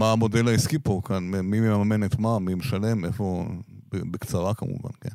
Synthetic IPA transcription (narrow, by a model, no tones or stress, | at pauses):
maːmo̞delaiskipokanmemimmamenet̪mamimeʃale̞mefo̞bebekt͡saʁakamṵva̰nken